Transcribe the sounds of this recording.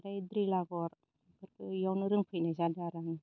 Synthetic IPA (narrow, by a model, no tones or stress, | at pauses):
ɾajdɾilaɡɔɾ | kɯɾkʰɯjawnɯɾɯŋpʰɯjnazadaɾɯŋ